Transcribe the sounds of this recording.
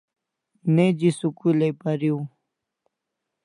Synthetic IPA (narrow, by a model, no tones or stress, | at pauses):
ned͡ʑisukulejpaɾiw